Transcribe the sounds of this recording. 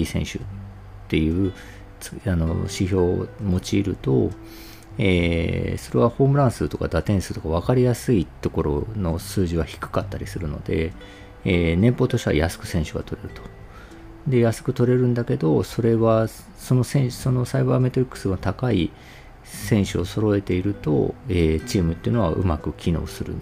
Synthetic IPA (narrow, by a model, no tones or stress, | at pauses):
isẽ̞ɕɨ̰ | t̪ːe̞jɯ̟ː | t͡sano̰ɕiço̞ːmo̞t͡ɕiːɾɯ̟t̪o̞̰ | eːso̞ɾe̞βaho̞ːmɯ̟ɾãɰ̃sɨt̪o̞ka̰d̪at̪ẽɰ̃sɨt̪o̞kaβ̞akaɾʲijasɨit̪o̞ko̞ɾo̞̰no̞sɨːʑiβaçi̥kɯ̟̥kat̪ːaɾʲisɨɾɯ̟no̞̰d̪e̞̰ | enẽ̞mpo̞ːt̪o̞ɕt̪ea̰jasɨ̥kɯ̟̥sẽ̞ɰ̃ɕɨɡa̰t̪o̞ɾe̞ɾɯ̟t̪o̞̥ | d̪e̞jasɨ̥kɯ̟t̪o̞ɾe̞ɾɯ̟̃nd̪ake̞d̪o̞so̞ɾe̞βa | so̞no̞sẽ̞ɕso̞no̞saibaːme̞t̪o̞ɾʲikːɯ̥sɨɡnot̪akai | sẽ̞ɰ̃ɕɨoso̞ɾo̞e̞t̪e̞iɾɯ̟t̪o̞̰eːt͡ɕiːmɯ̟t̪ːeiɯ̟no̞a̰ʔɯ̟̰makɯ̟kʲino̞̰ːsɨɾɯ̰̃n